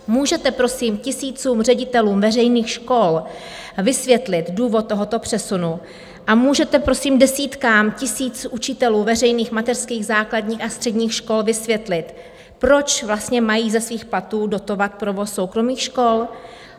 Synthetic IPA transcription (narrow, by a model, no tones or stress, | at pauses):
muːʒɛt̪ɛpɾo̞simcɪsiːt͡suːmr̝ɛɟɪt̪ɛluːmvɛrɛjniːxʃko̞l | vɪsvjɛt̪lɪt̪duːvot̪̚ːo̞ɦot̪o̞pr̝̥ɛsunu | ʔamuːʒɛt̪ɛpɾo̞siːmdɛsiːt̪kaːmcɪsiːt͡sʔut͡ʃɪt̪ɛluːvɛrɛjniːxmat̪ɛrskiːɣzaːkladɲiːxast̪r̥ɛdɲiːxʃko̞lvɪsvjɛt̪lɪt̪ | pɾo̞t͡ʃvlast̪ɲɛmajiːzɛsviːxplat̪uːdo̞t̪o̞vat̪̚pɾovo̞sːo̞wkɾo̞miːxʃko̞l